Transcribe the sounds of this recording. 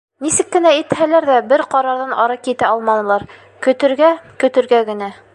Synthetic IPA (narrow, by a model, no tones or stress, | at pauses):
nisɘkːɘ̆næit̪hælæɾðæbɘɾqɑɾɑɾðɑnɑɾɑkit̪æɑlˠmɑnɤ̆lˠɑɾ | kɵ̆t̪ɘ̆ɾɡækɵ̆t̪ɘ̆ɾɡæɡɘ̆næ